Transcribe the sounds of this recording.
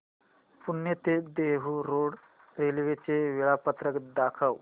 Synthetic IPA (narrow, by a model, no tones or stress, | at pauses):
puɳːjet̪ed̪eɦuɾoɽ | ɾelʋet͡ɕeʋiɭapət̪ɾəkd̪akʰəw